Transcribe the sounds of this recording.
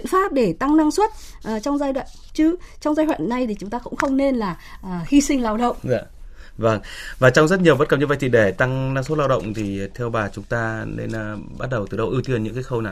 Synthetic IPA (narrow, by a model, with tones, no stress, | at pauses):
ḭ˧˨ənfaː˦˥p̚ɗe˧˩t̪a˧ŋna˧ŋswə˦˥t̚ʔːt͡ɕɔ˧wŋ͡mzaː˧jɗwa̰ː˧˨nt͡ɕɨ˨˦t͡ɕɔ˧wŋ͡mzaː˧jhwa̰ː˧˨nːa˨˩jt̪ʰi˨˩t͡ɕʊ˨˦ŋ͡mt̪aː˧kʊ̰˧˥ŋ͡mxə˧wŋ͡mne˧nlaː˨˩˨hi˧sï˧ŋ̟laː˧wɗə̰˧˨wŋ͡ma̰˧˨və˧ŋvaː˨˩t͡ɕɔ˧ŋ͡mzə˦˥t̚ɲ˨əwɓə˦˥tkə˨˩p̚ɲɨ̰˧˦va˧jt͡ɕḭ˧˨ɗe˧˩t̪a˧ŋna˧ŋswt̚laː˧wɗə̰˧˨wŋ͡mt̪ʰi˨˩˨t̪ʰɛ˧wɓaː˨˩t͡ɕʊ˨˦ŋ͡mt̪aː˧nḛ˧nː˩ɓa˦˥t̚ɗə˨˩wt̪ɨ˨˩ɗə˧wʔi˧wt̪i˧ənɲɨ̰˧˥kaː˨˦xə˧wnaː˨˩w